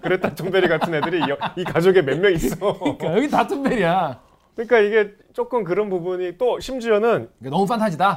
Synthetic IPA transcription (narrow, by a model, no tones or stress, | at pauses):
kɯɾe̞t̚t͈at͡ɕʰombeɾiɡatʰɯnɦe̞dɯɾiʌikad͡ʑoɡe̞memmjʌŋiss͈ʌk͈jʌɡitatʰombeɾija | kɯɲik͈aiɡe̞ | t͡ɕ͈ok͈ɯmkɯɾʌnbubuɲit͈oɕʰimd͡ʑuʌnɯniɡenʌmupʰantʰad͡ʑida